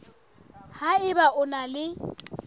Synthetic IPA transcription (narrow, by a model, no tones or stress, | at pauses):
haɪbaʔʊnalɪ